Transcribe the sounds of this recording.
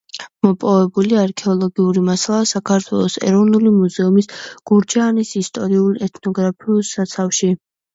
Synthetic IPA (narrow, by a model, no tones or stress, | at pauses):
mɔpʼɔvɛbuliaɾkʰɛɔlˠɔɡiuɾimasalˠasakʰaɾt̪ʰwɛ̰lˠɔsɛ̰ɾɔvnulimuzɛumisɡ̥uɾd͡ʒaːnisist̪ʼɔɾiulˠɛt̪ʰnɔɡɾapʰiulˠsat̪sʰafʃi